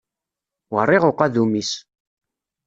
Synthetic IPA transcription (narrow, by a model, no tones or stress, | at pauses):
wərˤːɪʁoqæðumis